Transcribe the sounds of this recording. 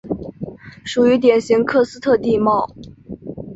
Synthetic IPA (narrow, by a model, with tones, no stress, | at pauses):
ʂu˨˩y˧˥t̪̬jɛ˨˩nɕi˧˥ŋkʰɤ˥˧sɹ̩˥t̪ʰɤ˥˧t̪i˥˧mɑ˥˩ʊ